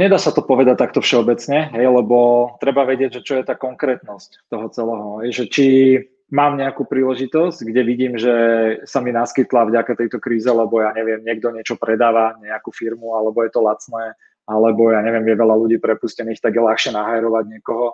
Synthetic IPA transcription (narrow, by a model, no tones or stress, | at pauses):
ɲɛd̪aːsat̪ɔpɔʋɛd̪ac̚t̪ak̚t̪ɔfʃɛɔbɛt͡sɲɛɦɛjlɛbɔt̪ɾɛbaʋɛɟɪɛɟʒɛt͡ʃɔjɛt̪aːkɔŋkɾɛːt̪nɔsct̪ɔɦɔt͡sɛlɛɦɔɦɛjʒɛt͡ʃi | maːmɲɛakuːpɾiːlɛʒit̪ɔsɟɡɟɛʋiɟiːmʒɛsaminaskit̪lavɟakat̪ɛjt̪ɔkɾiːzɛlɛbɔjaːɲɛʋɪɛmɲɪɛɡ̚d̪ɔɲɪɛt͡ʃɔpɾɛd̪aːʋaɲɛakuːfiɾmualɛbɔjɛt̪ɔlat͡snɛː | alɛbɔjaːɲɛʋɪɛmjɛʋɛlaluɟiːpɾɛpuscɛniːxt̪aɡjɛlaxʃɪɛnaɦajɾɔʋaɟɲɛkɔɦɔ